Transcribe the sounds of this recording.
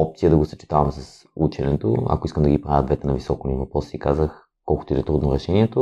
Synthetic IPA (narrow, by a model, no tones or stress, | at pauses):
ɔp̚t̪sijəd̪ɐɡosɐ̥t͡ʃi̥t̪avɐmsɐs | ut͡ʃɛnɛt̪o̰ɐ̰koiskəmd̪ɐɡipɾavʲjəd̪vɛt̪ɛnɐvisɔkonivɐpɾɔsiːkazəx | kɔlˠkot̪ʊid̪ɛt̪ɾud̪noɾɛʃɛniɛt̪o